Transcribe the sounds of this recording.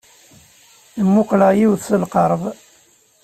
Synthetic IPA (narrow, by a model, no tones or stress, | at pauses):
θəmːʊqlæjiwðsəlqəɾˤðˤ